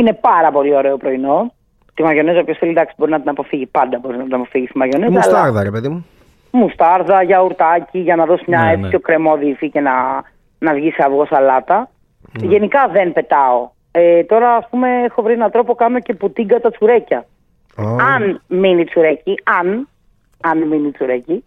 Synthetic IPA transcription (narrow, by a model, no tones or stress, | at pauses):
ine̞pɐɾɐpo̞lio̞ɾeopɾo̞ino̞ | t̪imɐʝo̞nesopçosθelid̪ɐksi̥bo̞ɾinɐt̪inɐpo̞fiʝipɐnd̪ɐbo̞ɾiznɐt̪inɐpo̞fiʝist̪imɐʝo̞nessɐslɐɐɾðɐɾepeðimu | must̪ɐɾðɐʝɐuɾt̪ɐciʝɐnɐðo̞simɲɐet͡sipço̞kɾe̞mo̞ðifice̞nɐ | nɐvʝiseɐvɣo̞sɐlɐt̪ɐ | ʝe̞nikɐðe̞npe̞t̪ɐo̞ | et̪o̞ɾɐːspume̞exo̞vɾienɐt̪ɾo̞po̞kɐno̞ce̞put̪iɡɐt̪ɐt͡suɾe̞cɐ | oɐnminit͡suɾe̞ciɐn | ɐnminit͡suɾeci